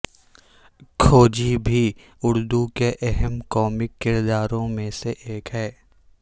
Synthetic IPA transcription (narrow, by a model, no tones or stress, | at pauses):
kʰoːd͡ʒibʱi | ʊɾd̪ukeʔɛɦɛmkɔːmɪkːɪɾd̪aːɾõmẽseʔeːkɦɛː